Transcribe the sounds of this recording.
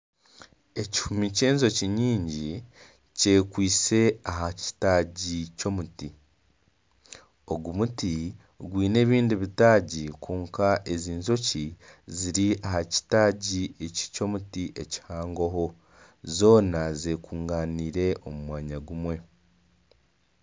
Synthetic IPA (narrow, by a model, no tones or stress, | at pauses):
e̞ci̥fumice̞ːnzo̞ciɲiːɲɟi | ce̞kwiːse̞aɦaci̥taːɟico̞muti | o̞ɡumuti | ɡwiːne̞ːβiːndiβitaːɟikʰuːŋkaʔe̞ziːnzo̞ciziɾiahaci̥taːɟieci̥co̞mutiʔeci̥haːŋɡoɦo̞ | zo̞ːnazekuːŋɡaːniːɾe̞ʔomumwaːɲaɡumwe̞